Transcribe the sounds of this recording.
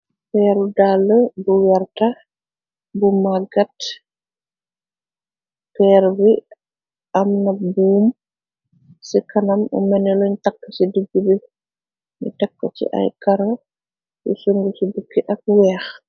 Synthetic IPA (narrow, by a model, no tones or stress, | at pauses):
pɛɾudaləbuwɛɾta | bumaɡat | pɛːɾbi | ʔamnabuːm | sikanamṵmɛnɛluɲtakːat͡ʃidiɡːubi | mḭtakːa̰t͡ʃḭʔa̰jkaɾa | ʔṵsuŋɡusibukːiʔak̚wɛːx